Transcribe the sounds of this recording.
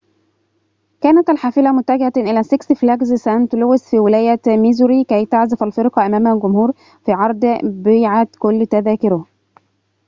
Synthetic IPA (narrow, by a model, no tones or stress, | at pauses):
kæːnæt̪ælħaːfɪlæmʊt̪ːæɡɪhæʔɪlæsɪksflæɡzsænt̪lowɪsfiːwɪlæːjæmizuɾikæjt̪aʕzɪfælfeɾqɑʔæmæːmælɡʊmhuːɾ | fiːʕɑɾˤd̪ˤbeːʕat̪kʊlːt̪æðæːkɪɾʊ